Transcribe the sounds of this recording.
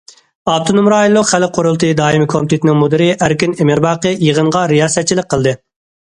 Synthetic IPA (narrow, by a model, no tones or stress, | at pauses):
ɑb̚t̪ʰonumɾɑːilˠːʊqχælqʰoɾʊlˠt̪ʰɨd̪ɑːimɪkʰomt̪ʰɪt̪ʰɪnɪŋmud̪ɪɾɪʔæɾkʲinemɪɾbɑːqəjəʁəɴʁɑɾijɑːsɛt̪̚t͡ʃʰːilɪk̚ʲqʰːəlˠd̪ɨ